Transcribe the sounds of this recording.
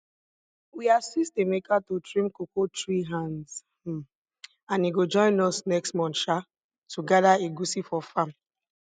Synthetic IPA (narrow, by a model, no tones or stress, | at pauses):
wiasistemekatotɹĩmkokotɹiɦãns̩ | ãniɡod͡ʒɔ̃ɪ̃nɔsnɛkstmɔ̃nʃa | tʰuɡadaeɡusifɔfãm